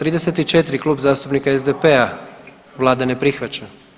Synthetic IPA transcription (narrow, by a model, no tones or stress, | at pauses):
t̪ɾiːd̪e̞set̪it͡ʃet̪ɾiklˠuːbzaːst̪upnikaezd̪epea | ʋlˠaːd̪ane̞pɾixʋat͡ɕa